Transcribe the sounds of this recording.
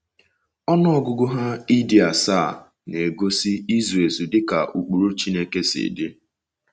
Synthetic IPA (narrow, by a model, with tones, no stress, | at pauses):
ɔ˦nɔ˦ɔ˨ɡʊ˦ɡʊ˦ɦa˦i˦di˨a˨saː˦˨ | ne˨ɡo˦si˦i˦ze˨zu˨dɪ˦ka˨u˨k͡pu˨ɾu˦t͡ʃi˦ne˦ke˦sɪ̰˨dɪ˦